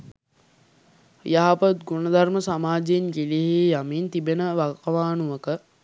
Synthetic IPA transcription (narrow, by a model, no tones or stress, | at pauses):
jaɦapət̪̚ɡunəd̪ʱarməsamaːd͡ʒenkiliɦejamiːnt̪ibenəʋakɐʋaːnuʋəkə